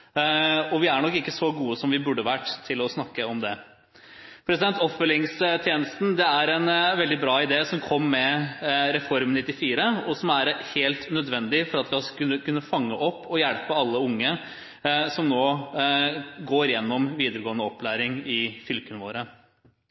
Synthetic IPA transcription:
ɔʋɪæɳɔkːɪkːəsɔɡuːəsɔmʋɪbʉɖːəʋæʈːt̪ʰɪlɔsnɑkːəɔmd̪ɛ | pʰɾɛsɪd̪ɛnt̪ɔpfœlɪŋst̪ʰjeːnəst̪n̩d̪ɛæɾɛnʋɛld̪ɪbɾɑːɪd̪eːsɔmkʰɔmːɛɾɛfɔɾmnɪt̪ːɪfiːɾəɔsɔmæɾheːlt̪nœd̪ʋɛnd̪ɪfɔɾɑt̪ʋɪɑʉəkʰʉnːəfɑŋːəʔɔpːɔjælpəɑlːəʊŋːə | sɔmnoː | ɡoːɾjɛnːɔmʋiːd̪əɾəɡoːənəɔpːlæːɾɪŋɪfʏlkənəʋo̰ːɾə

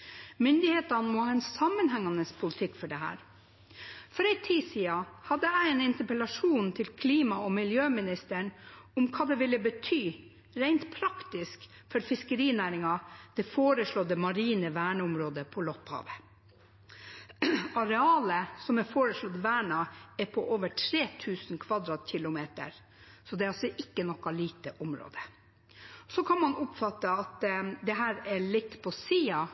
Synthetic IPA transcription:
mʏnd̪ɪheːt̪ɑnmɔːhɑːɛnsɑmːənhɛŋːɑnəspʰʊlɪt̪ʰɪkːfɔɖɛɦæ̰ːɾ | fɔɾæɪt̪ʰiːsiːɑhɑd̪əæɪɛnɪnt̪əpəlɑʂuːnt̪ʰɪlkʰliːmɑɔmɪljøːmɪnɪst̪əɳʊmkʰɑːd̪ɛʋɪlːəbət̪ʰyː | ɾæɪnt̪pʰɾɑkt̪ɪsk | fɔɾfɪskəɾiːnæːɾɪŋɑd̪̥ɛfoːɾəʂlɔd̪əmɑɾiːnəʋæːɳəʊmɾoːd̪əpʰɔlɔphɑ̰ːʋə | ɑɾɛɑːləsɔmɛfoːɾəʂlɔd̪əʋæːɳɑɛpʰɔʔoːʋəʈʰɾeːt̪ʰʉːsn̩kʰʋɑd̪ɾɑːt̪çɪlʊmeːt̪ə̰ɾ | sɔd̪ɛɑlsɔʔɪkːənɔkːɑliːt̪əʔʊmɾo̰ːd̪ə | ɔsɔkʰɑnmɑnʊpfɑt̪ːəɑt̪d̪ɛɦæːɾɛɭɪt̪ːpʰɔsiːɑ

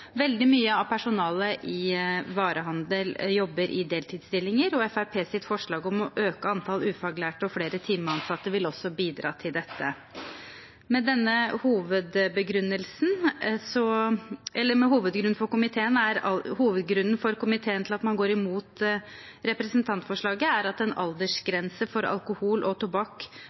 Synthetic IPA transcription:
ʋɛld̪ɪmyːəɑʋpʰæʂʊnɑːləʔɪʋɑːɾəɦɑnd̪əljɔbːəɾʔɪ̰d̪eːlt̪ʰɪːd̪st̪ɪlːɪŋəɾɔɛfæɾpʰeːsɪt̪fɔʂɭɑːɡɔmɔʔøːkəɑnt̪ʰɑlʉːfɑɡlæːʈɔfɽeːɾət̪ʰɪmːəɑnsɑt̪ːəʋɪlɔsːɔbiːd̪ɾɑ̰ːt̪ʰɪld̪ɛt̪ʰːə | mɛd̪ɛnːəhuːʋəd̪bəɡɾʉnːəlsn̩sɔʔɛlːəɾmɛɦuːʋəd̪ɡɾʉnfɔɾkʊmɪt̪ʰeːənæɾɑhuːʋəd̪ɡɾʉnːn̩fɔɾkʊmɪt̪ʰeːənt̪ɪlɑt̪mɑnɡoːɾɪmuːt̪ | ɾɛpɾɛsənt̪ʰɑnt̪fɔʂɭɑːɡəæɾɑt̪ɛnɑ̰ld̪əʂɡɾɛnsəfɔɾɑ̰lkʊhuːlʔɔt̪ʰʊbɑkː

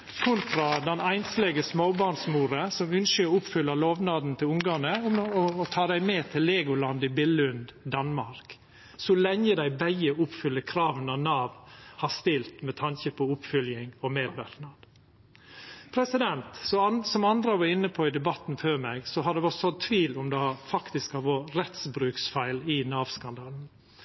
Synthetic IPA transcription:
kʰʊnt̪ɾɑd̪ɛnæɪnslɛɡəsmoːbɑɳsmuːɾəsɔmʉnskəɔʊpfʏlːɑloːʋnɑːd̪n̩t̪ʰɪlʊŋɡ̪ɑnəʊmɔːt̪ʰɑːd̪æɪmeːt̪ʰɪlːeːɡʊlɑnd̪ɪbɪlʉnd̪d̪ɑnmɑɾk | sɔlɛŋːəd̪æɪbæɪəʊpfʏlːəkʰɾɑːʋənɑʋnɑːʋhɑst̪ɪlt̪mɛt̪ʰɑnçəpʰɔʊpfʏljɪŋɔmeːd̪ʋæɾt̪nɑn | pʰɾɛsɪd̪ɛnt̪sɔsɔmɑnd̪ɾɑʋɑɾɪnːəpʰɔɪd̪ɛbɑt̪n̩føːɾmɛɡsɔɦɑd̪ɛɔsɔt̪ʰʋiːlʊmd̪ɑfɑkt̪ɪskɑʋoːɾɛt̪sbɾʉːksfæɪlɪnɑːʋskɑnd̪ɑːln̩

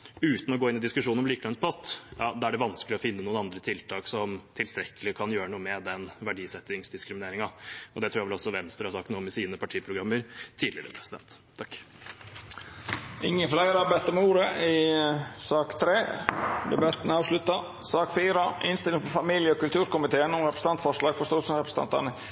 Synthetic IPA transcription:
ʉːt̪n̩ɔɡoːɪnɪd̪ɪskʉʂuːnɔmliːkəɛnspʰɔt̪ːjɑːd̪ɑːæɖɛʋɑnskəlɪɔfɪnːənuːənɑnd̪ɾət̪ʰɪlt̪ʰɑːksɔmt̪ʰɪlst̪ɾɛkːəlɪkʰɑnjøːɾənuːəmɛd̪ɛnʋæɖiːsɛt̪ːɪŋsd̪ɪskɾɪmɪneːɾɪŋɑɔd̪ɛt̪ʰɾuːjæʋɛlɔsːɔʋɛnst̪ɾəhɑɾsɑkt̪nuːəmɛsiːnəpʰɑʈʰiːpʰɾʊɡɾɑmːəɾt̪ʰiːd̪lɪ̰ɾə̰pʰɾɛsɪd̪ɛ̰nt̪ʰːɑkː | ɪŋːəflæɪɾɑɾbæɪt̪əɾmɛuːɾəɪsɑːkt̪ʰɾeːd̪ɛ̰bɑt̪ənɑːʋʂɭʉt̪ɑ | sɑːkfiːɾɑʔɪnst̪ɪlɪŋfɔɾfɑmiːljəɔkʉlt̪ʰʉːɾkʊmɪt̪ʰeːənɔmɾɛpɾəsəɑnt̪fɔʂlɑːɡfɔʂt̪oːlsəɾɛpɾəs̩n̩ɑ̰nt̪ɑ̰nə

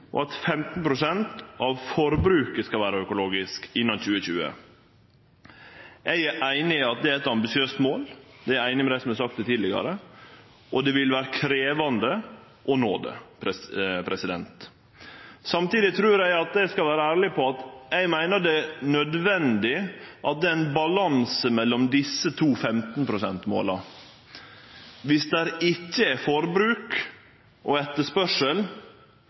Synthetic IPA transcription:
ʔɔ̰ɑt̪fɛmt̪n̩pʰɾʊsɛnt̪ʔɑʋfɔɾbɾʉːkəskɑlʋæːɾəœkʊloːɡɪskɪnːɑnçʉːəçʉ̰ːə̰ | ɛɪæʔæɪnɪɑt̪̚d̪ɛæɛt̪ɑmbɪsɪøːst̪moːld̪ɛææɪnɪmɛd̪æɪsɔmæɪsɑkt̪ɛt̪ʰiːd̪lɪɡɑ̰ɾə | ʔɔd̪ɛʋɪlʋæːɾəkʰɾeːʋɑnd̪ə | ʔɔnoːd̪ə̰pʰɛpʰɾɛsɪd̪ɛnt̪ | sɑmt̪iːd̪ɪt̪ʰɾʉːɾjæɪɑt̪̚d̪ɛɪskɑlʋæːɾəæːɾɭɪpʰɔɑt̪ɛɪmæɪnəɖɛnœd̪ʋɛnd̪ɪʔɑt̪̚d̪ɛːɪnbɑlɑnsəmɛlːɔmd̪ɪsːət̪ʰuːfɛmt̪n̩pʰɾʊsɛnt̪mo̰ːlɑ | ʋɪsd̪ɛːɾɪcːəɛfɔɾbɾʉːk | ʔɔɛt̪ːəʂpœʂəl

